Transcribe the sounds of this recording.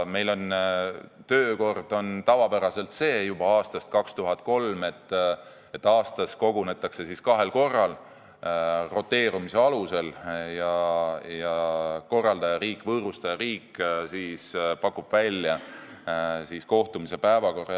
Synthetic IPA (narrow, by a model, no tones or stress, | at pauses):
me̞jlo̞n | t̪ø̞ːko̞rd̪̥o̞nt̪ɑvɑpæɾɑse̞lt̪se̞ːjub̥ɑɑːst̪ɑst̪̚kɑkst̪uɦɑt̪̚ːˑko̞lme̞t̪ːˑ | et̪ːˑɑːst̪ɑsko̞ɡune̞t̪ːˑɑkse̞siskɑɦe̞lko̞rːɑl | ro̞t̪ːˑe̞ːɾumise̞ɑluse̞ljɑjɑko̞rːɑld̪̥ɑjɑɾiːkːˑvɤːɾust̪ɑjɑɾiːkːsispɑkːub̥vælʲjɑ | sisko̞ht̪umise̞pæevɑko̞rɑ